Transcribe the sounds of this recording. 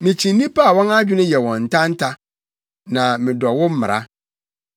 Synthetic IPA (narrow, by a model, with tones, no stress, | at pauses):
mɪ̃˨t͡ɕʰĩ˨nĩ˦pa˦a˨wɔ̃˦na˦d͡ʑᶣɪ˦nʊ̃˦jɛ˨wɔ̃˨n̩˨tʰã˦n̩˦tʰa˦ | nã˨mɪ̃˨dɔ˨wʊ˦m̩˦mɪ̰̃˨ɾʔa̰˦